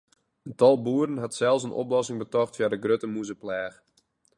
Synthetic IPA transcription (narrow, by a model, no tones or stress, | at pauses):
əntɔlˠbuːəɾənɦatsɛlˠsənʔo̰plɔsɪŋbətɔxtfjadəɡrøtəmuzəplɛːx